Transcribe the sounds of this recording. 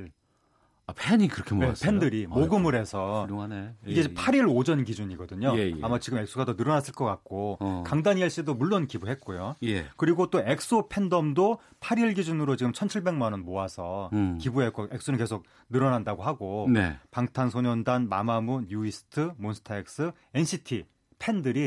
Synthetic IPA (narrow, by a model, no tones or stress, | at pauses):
apʰeɲikɯɾʌkʰenepʰendɯɾimoɡɯmɯɾɦe̞sʰʌ | iɡepʰaɾiɾod͡ʑʌnɡid͡ʑuɲiɡʌdɯɲoeamat͡ɕiɡɯme̞ks͈oɡadonɯɾʌnas͈ɯɭk͈ʌk͈ak̚k͈okaŋdaɲiaɭɕ͈idomuɭːonkibuɦet̚k͈ojoekɯɾiɡot͈oe̞k̚s͈opʰe̞ndʌmdo | pʰaɾiɭɡid͡ʑunɯɾot͡ɕiɡɯmt͡ɕʰʌnt͡ɕʰiɭbe̞ŋmanʌnmoasʰʌkibuɦe̞k͈oe̞k̚s͈unɯkesʰok̚ | nɯɾʌnandaɡoɦaɡonḛpaŋtʰansʰoɲʌndanma̰mamunjuisʰɯ̥tʰɯmonsʰɯ̥tʰaek̚s͈ɯ | e̞nɕʰitʰi | pʰe̞ndɯɾi